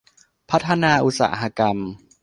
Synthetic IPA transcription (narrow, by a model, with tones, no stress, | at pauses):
pʰa˦˥t̪ʰːa˧naː˧ʔu˧˥t̚sa̰ː˩˦ɦa˧ka˧m